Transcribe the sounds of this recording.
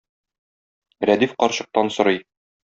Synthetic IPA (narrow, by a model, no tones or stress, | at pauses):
ɾæd̪ifqɒɾɕɤ̆q̚t̪ɑnsŏɾɤj